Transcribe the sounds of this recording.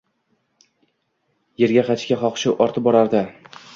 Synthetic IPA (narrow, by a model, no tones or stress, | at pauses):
je̞ɾɡʲaqɑt͡ʃʰkʲaχɒqʃɪʔɒɾt̪ʰɪp̚bɒɾaɾd̪a